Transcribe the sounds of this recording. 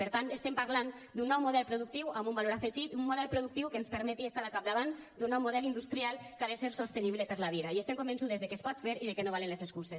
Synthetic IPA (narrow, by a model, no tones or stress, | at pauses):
peɾt̪ant̪est̪empaɾlan | d̪unːɔwmuðɛlˠpɾoðuk̚t̪iwambumbaloɾafeʒit̪ummuðɛlˠpɾoðuk̚t̪iwkenspəɾmɛt̪iest̪aðakap̚d̪aβand̪unːɔwmoðɛlind̪ust̪ɾialˠkaðeseɾsost̪eniβlepeɾlaβ̞iðaiest̪emkombensuðezðekespɔt̪feɾiðekenoβalenlezeskuses